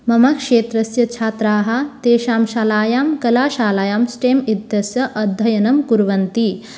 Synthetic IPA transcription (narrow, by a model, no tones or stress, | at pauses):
mɐmɐkʂeːt̪ɾɐsjɐt͡ʃʰaːt̪ɾaːɦɐt̪eːʃaːmʃaːlaːjaːmkɐlaːʃaːlaːjaːmsʈeːmid̪jɐsjɐʔɐd̪ʱːɐjɐnɐmkuɾʋɐnt̪i